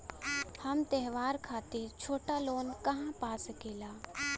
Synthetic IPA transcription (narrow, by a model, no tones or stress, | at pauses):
hɐmt̪ɛɦʋaːɾkʰaːt̪et͡ʃʰoːʈaloːnkɐɦãpaːskeːlaː